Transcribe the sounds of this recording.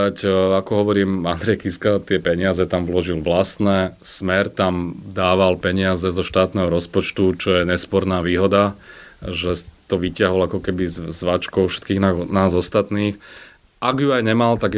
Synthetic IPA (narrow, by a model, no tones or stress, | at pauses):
acakɔɦɔʋɔɾiːmand̪ɾɛjkiskat̪ɪɛpɛɲɪazɛt̪amʋlɔʒilʋlast̪nɛsmɛɾt̪amd̪aːʋalpɛɲɪazɛzɔʃt̪aːt̪nɛːɦɔɾɔspɔt͡ʃt̪ut͡ʃɔjɛɲɛspɔɾnaːʋiːɦɔd̪a | ʒɛt̪ɔʋicɪaɦɔlakɔkɛbizʋat͡ʃkɔʊfʃɛ̥t̪kiːɣnanaːzɔst̪at̪niːx | ʔaɡjuajɲɛmalt̪aɡ